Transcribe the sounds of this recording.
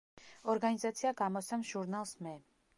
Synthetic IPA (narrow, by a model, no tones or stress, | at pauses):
ɔɾɡanizat̪sʰiaɡamɔsʰɛmʒuɾnalˠsmɛ